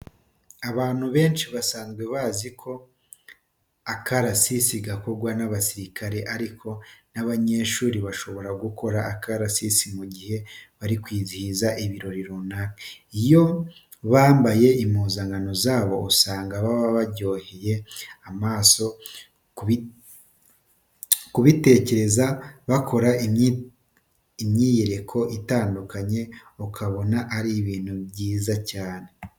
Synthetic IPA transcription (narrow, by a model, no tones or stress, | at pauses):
aβaːn̥huβe̞ːnʃiβasaːnzɡwe̞βaːzikʰo̞ | akaɾasisiɡako̞ɡwanaβasiɾikaɾe̞ʔaɾikʰo̞naβaɲe̞ːʃuːɾiβaʃo̞βo̞ɾaɡukʰo̞ɾaːkʰaɾasisimuɟihe̞βaɾikwiːzihizaʔiβiɾo̞ɾiɾunaɾeijo̞ | βaːmbaje̞imuːzaŋɡano̞zaːβo̞ːsaːŋɡaβaβaβaɟo̞ːheje̞amaːso̞ | i | kuβite̞ːce̞ɾe̞zaβakʰo̞ɾai | imɲiːje̞ɾe̞kʰo̞ʔitaːndukaɲe̞okʰaβo̞naʔaɾiβiːn̥huβɟiːzacaːne̞